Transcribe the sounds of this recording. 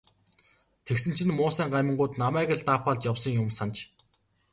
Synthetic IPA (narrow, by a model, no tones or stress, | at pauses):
t̪ʰeksɘ̆n̥t͡ɕʰɪ̆nmʊːsæːŋɢamʲə̆ɴɢʊːt̪namæːɣə̆ɮt̪aːpaːɮt͡ɕjawsɞ̆ŋjʊmsant͡ɕ